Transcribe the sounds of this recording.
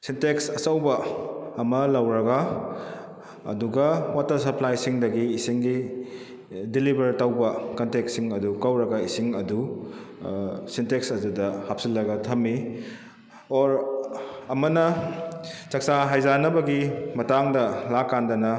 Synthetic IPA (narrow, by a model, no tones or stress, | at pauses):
sinteksɐsɐwbɐːmɐlɐwɾɐɡɐ | duɡɐwatɐɾsɐplajsiŋdɐɡiːsiŋɡi | dilibɐɾtɐwbɐkɐnteksiŋɐdukawɾɐɡɐisiŋɐdu | sinteksɐzudɐhap̚silːɐɡɐtʰɐmːi | oɾ | ɐmɐnɐ | t͡ʃɐk̚saɦajzanɐbɐɡimɐtaŋdɐlakːandɐnɐ